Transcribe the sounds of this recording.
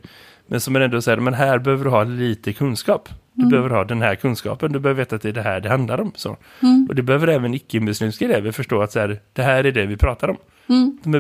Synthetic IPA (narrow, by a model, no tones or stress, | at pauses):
mɛnsɔmæɾɛnd̪ɔsæːɾmɛnɦæːɾbɛhøːvəɖɵɦɑːliːt̪əkʰɵnskɑːpd̪̥ɵbɛhøːvəɾhɑːd̪ɛnɦæːɾkʰɵnskɑ̰ːpənd̪ɵbɛhøːvɾveːt̪at̪̚d̪ɛːɖɛɦæːɖɛhand̪laɾɔmso̰ː | ʔɔd̪ɛbɛhøːvəɾɛːvənɪkːəɪnmɵsliːmskɛleːvəɾfœʂʈoːat̪sæːɾd̪̥ɛɦæːɾæɖɛvɪpʰɾɑːt̪ʰaɾɔm | d̪̥ɔmæ